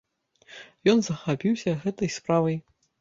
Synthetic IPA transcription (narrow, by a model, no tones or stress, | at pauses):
jɔnzɐxapʲiwsʲɐɣɛt̪ɐjspɾavɐj